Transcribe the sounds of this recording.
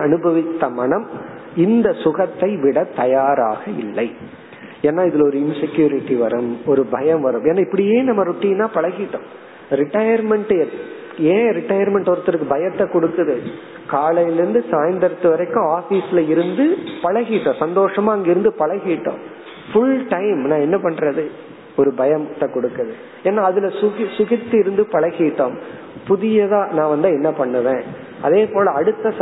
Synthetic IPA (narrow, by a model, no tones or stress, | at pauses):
ɐnɯbʱɐʋɪt̪ːɐmɐɳɐm | ɪnd̪ɐsʊɣɐt̪ːɐɪʋɪɽɐt̪ːɐjaːɾaːɣɐɪlːɐɪ | eːnːaːɪðɪlɔɾɯɪnsɛkjuːɾɪʈːiʋɐɾɯmɔɾɯbɐjɐmʋɐɾɯmeːnːaːɪpːɐɽɪjeːnɐmːɐɾʊʈːinːaːpɐɭɐɣɪʈːõː | ɾɪʈːɐjɐɾmɛɳʈɛɾ | ẽːɾɪʈːɐjɐɾmɛɳʈɔɾɐt̪ːɪɾɯkːɯbɐjɐt̪ːɛkɔɽɯkːɐðɯ | kaːlɐjɪlɪɾɯnd̪ɯsaːjɐnd̪ɐɾɐt̪ːɯʋɐɾɐɪkːʊ̃aːfiːsɪlɐɪɾɯnd̪ɯpɐlɐɣiʈːõːsɐnd̪oːʂɐmaːɐŋɡɐɪɾɯnd̪ɯpɐɭɐɣiːʈːõ̰ː | fʊlʈɐɪmnãːɛnːɐpɐɳɾɐðɯ | ɔɾɯbɐjɐmt̪ːɐkɔɽɯkːɐðɯ | eːnːaːɐðɪlɐsʊɣɪsʊɣɪt̪ːɯɪɾɯnd̪ɯpɐlɐɣiːʈːõː | pʊðɪjɐðãːnãːʋɐnd̪ɯɛnːɐpɐɳːɯʋẽː | ɐðeːpoːlɐɐɽɯt̪ːɐs